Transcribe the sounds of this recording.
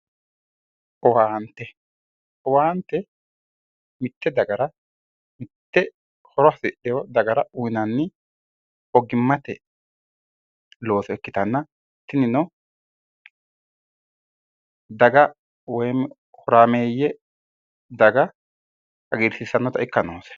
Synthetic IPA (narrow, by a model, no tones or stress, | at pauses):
ɔwaːnt̪ːɛ | ɔwaːnt̪ːɛ | mɪt̪ːɛd̪ɐɡɐɾɐ | mɪt̪ːɛ | hɔɾɔɐsɪʔɛjɔd̪ɐɡɐɾɐʊjnɐnːɪ | ɔɡɪmːɐt̪ɛ | lo̞ːsɔɛkːɪ̥t̪ɐnːɐ | t̪ːɪnɪnɔ | d̪ɐɡɐ | wɔjm | hɔɾaːmeːjːɛ | d̪ɐɡɐ | ɐɡiːɾsɪsːɐnːɔt̪ɐɪkːɐnoːs